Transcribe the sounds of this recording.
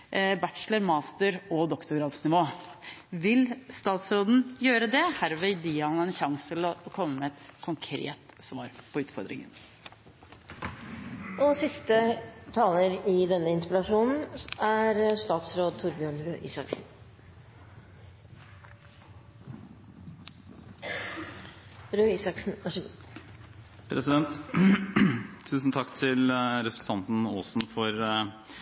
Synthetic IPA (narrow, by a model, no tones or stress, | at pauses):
bæʈʂləɾmɑːst̪əɾɔd̪ɔkt̪ʊɡɾɑːd̪snɪʋoː | ʋɪlst̪ɑːt̪sɾoːd̪n̩jøːɾəd̪ɛhæɾʋɛɪd̪ɪːɾɑnɑɛnçɑŋst̪ʰɪlɔkʰɔmːəmɛɛt̪kʰʊŋkʰɾḛːt̪sʋɑ̰ːɾpʰɔʉːt̪fɔ̰ɾd̪ɾɪ̰ŋə̰n | ʔɔsɪst̪ət̪ʰɑːləɾɪd̪ɛnːəɪnspɪlɑʂuːnn̩æɾʂt̪ɑːt̪sɾoːd̪̚t̪ʰʊɾbjøːɳɾøːʔiːsɑksn | ɾøːiːsɑksn̩æʂ | pʰɾɛsɪd̪ɛnt̪ | t̪ʰʉːsn̩t̪ʰɑkːt̪ʰɪlɾɛpɾɛ̥sɑnt̪n̩oːsn̩fɔɾ